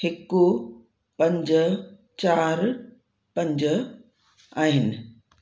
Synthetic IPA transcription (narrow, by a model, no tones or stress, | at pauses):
hekːu | pɐ̃ɲd͡ʑə | t͡ɕaːɾ | pɐ̃ɲd͡ʑə | aːɦɪnɪ̆